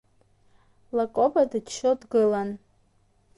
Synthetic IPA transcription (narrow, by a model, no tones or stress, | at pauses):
lakʼobadɨt͡ʃʰːodɡɨlan